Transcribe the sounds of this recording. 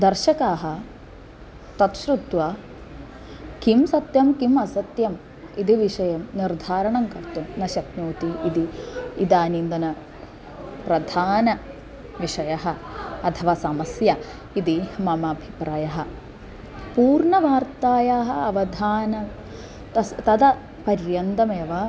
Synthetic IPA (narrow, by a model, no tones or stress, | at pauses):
d̪ɐɾʃɐkaːɦɐ̆ | t̪ɐt̪ʃɾut̪ʋa | kimsɐt̪jɐmkimɐsɐt̪jɐm | id̪iʋiʂɐjɐmniɾd̪ʱaːɾɐɳɐŋkɐɾt̪umnɐʃɐt̪noːt̪iid̪iːd̪aːnind̪ɐnɐ | pɾɐd̪ʱaːnɐ | ʋiʂɐjɐɦɐ̆ɐt̪ʰɐʋaːsɐmɐsjɐ | id̪imɐmɐbʱipɾaːjɐɦɐ̆ | puːɾɳɐʋaːɾt̪aːjaːɦɐ̆ɐʋɐd̪ʱaːnɐm | t̪ɐt̪ɐd̪ɐ | pɐɾjjɐnd̪ɐmeːʋɐ